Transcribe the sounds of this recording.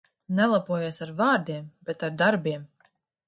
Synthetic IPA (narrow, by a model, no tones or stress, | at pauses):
nɛlˠapuɔjesaɾvaːɾd̪iɛmbet̪aɾd̪aɾbiɛm